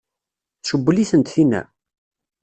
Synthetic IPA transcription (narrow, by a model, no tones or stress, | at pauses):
θʃəbːəliθənt̪θinæ̰